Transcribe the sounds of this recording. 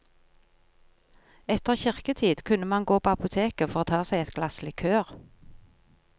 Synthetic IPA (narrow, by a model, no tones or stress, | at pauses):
ɛt̪əʁçɪʁkət̪ʰiːd̪kʰʉnəmɑnɡoːpʰoːɑpʊt̪ʰeːkəfɔʁoːt̪ʰɑːsæɪɛt̪ɡ̥lɑslɪkʰøːʁ